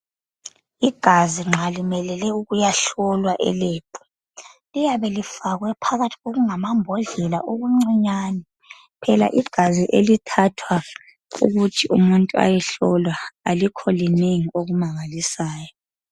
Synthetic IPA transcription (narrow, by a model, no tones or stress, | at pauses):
iɡ̥ʱaziŋ͡ǁʱalimɛlɛlɛuɣujaɬɔlwaʔɛ̰leːb̥ʰʱʼɔ̥ | lijaβɛlifaɣwɛpʰaɣatʰiɣoɣuŋamambʱɔɮɛla̰ʔoɣuŋ͡ǀiɲanɛ | pʰɛla̰ʔiɡ̥ʱaziʔelitʰatʰwa | ṵɣutʰiʔṵmuntʼua̰jɛɬɔlwaalikʰɔlineŋioɣumaŋalisaːjɔ